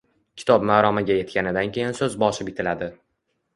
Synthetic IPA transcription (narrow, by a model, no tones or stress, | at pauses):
kʲʰɪ̥t̪ʰɒp̚maːɾɒmaɡʲaje̞t̪̚kʲʰanɪd̪ankʲʰe̞jansɵzbɒʃɪpɪt̪ʰɪlad̪ɪ